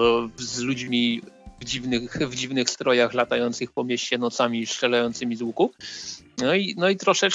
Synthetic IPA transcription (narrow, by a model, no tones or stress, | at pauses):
zlud͡ʑmʲivd͡ʑivnɘxvd͡ʑivnɘxst̪ɾɔjaxlat̪ajɔnt̪sɘxpɔmʲjeɕt͡ɕɛnɔt̪samʲiʂt͡ʂɛlajɔnt̪sɘmʲizwuku | nɔinɔit̪ɾɔʂɛt͡ʂ